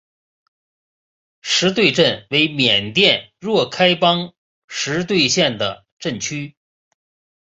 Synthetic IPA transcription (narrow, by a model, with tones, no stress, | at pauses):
ʂɻ̩˧˥t̪̬we˥˧ɪʈ͡ʂə˥˩nwe˧˥ɪmjɛ˨˩nt̪jɛ˥˧nɻwɔ˥˩kʰa˥ɪpɑ˥ŋ | ʂɻ̩˧˥t̪̬we˥˧ɪɕjɛ˥˩nd̪ə̰˩ | ʈ͡ʂə˥˩nt͡ɕʰy˥